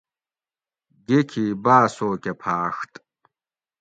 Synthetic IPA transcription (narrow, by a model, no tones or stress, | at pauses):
ɡʲekʲʰiːbaːsoːkʲʰʼɐpʰaːxtʼ